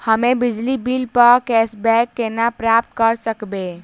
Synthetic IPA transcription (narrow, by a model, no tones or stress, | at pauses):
həmebid͡ʒlibilpəɾkɛsbɛkːenapɾap̚t̪kəɾsəkbe